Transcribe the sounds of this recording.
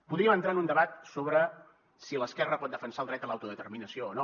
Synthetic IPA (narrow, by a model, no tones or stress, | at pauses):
puðɾiəmənt̪ɾaənund̪əβat̪soβɾə | siləskɛrəpɔt̪̚d̪əfənsalˠd̪ɾɛt̪əlawt̪uðət̪ərminəsioːno